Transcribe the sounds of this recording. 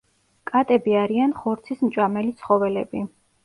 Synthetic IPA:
kʼat̪ʼɛbiaɾianχɔɾt̪sʰismt͡ʃʼamɛlit̪sʰχɔvɛlɛbi

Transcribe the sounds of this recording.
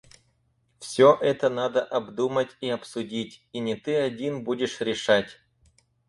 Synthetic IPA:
fsʲoʔɛt̪ənad̪əʔɐbd̪umətʲiɐpsʊdʲitʲinʲɪt̪ɨɐdʲinbudʲɪʂɾʲɪʂatʲ

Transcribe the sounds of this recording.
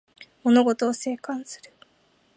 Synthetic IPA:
mo̞no̞ɡo̞t̪o̞ːse̞ːkãɰ̃sɨ̥ɾɯ̟

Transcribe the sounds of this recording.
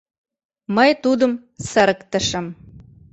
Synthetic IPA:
məjt̪ud̪ə̆m | səɾəkt̪ə̆ʃə̆m

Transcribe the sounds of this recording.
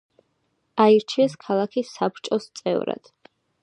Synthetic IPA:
aiɾt͡ʃʰiɛskʰalˠakʰisːapɾt͡ʃʼɔst̪sʼɛ̰vɾa̰d̪̥

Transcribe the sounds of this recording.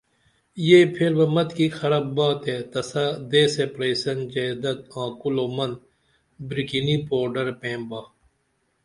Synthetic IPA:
jeːpʰɪɾbɐmɐt̪kiːxɐɾabːaːt̪et̪ɐsad̪eːsepɾeːsɐnd͡ʒed̪ɐt̪̚ãːkuloːmɐn | bɾikiniːpoːɾɖɐɾpẽːmbaː

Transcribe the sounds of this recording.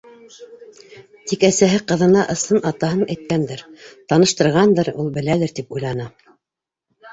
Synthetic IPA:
t̪ikæsæɦɘqɤ̆ðɤ̆nɑʔɤ̆sɤnʔɑt̪ɑɦɤnæjt̪̚kænd̪ɘɾt̪ɑnɤ̆ʃt̪ɤ̆ɾʁɑnd̪ɤɾulˠbɘ̆lælɘɾt̪ipujlˠɑnɑ

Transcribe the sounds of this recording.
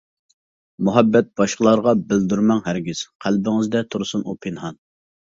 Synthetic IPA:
muɦɛbːɛt̪̚bɑʃqəlˠɑɾʁɑbɪld̪yɾmɛŋɦæɾɡʲɪz̥qʰælbɪŋɨzd̪ɛt̪ʰuɾsunupʰɪnɦɑn

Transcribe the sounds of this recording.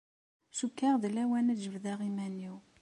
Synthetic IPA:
ʃukːaʁðəlæwænæd͡ʒəvðæʁimænːiw

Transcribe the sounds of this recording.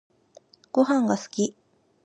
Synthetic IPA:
ɡ̥oɦãŋɡasɨ̥kʲi

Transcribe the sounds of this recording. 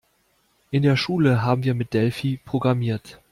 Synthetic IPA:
ʔɪndeːɐʃuːləɦaːbm̩viːɐmɪt̚d̥ɛlfiːpʁ̥oɡʁamiːɐt

